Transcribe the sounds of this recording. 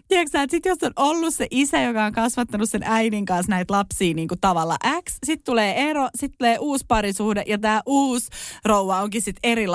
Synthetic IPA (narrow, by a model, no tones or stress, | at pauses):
t̪iɛksæːt̪sit̪josːonʔolːusseʔisæjokɑoŋkɑsʋɑt̪ːɑnussenʔæiniŋkɑnsnæit̪lɑpsiːniːŋkut̪ɑʋɑlːɑ̰ʔækssit̪t̪uleːerosit̪t̪ːuleːʔuːspɑɾisuhdeʔjɑt̪æːʔuːsrouʋɑoŋkissit̪eɾil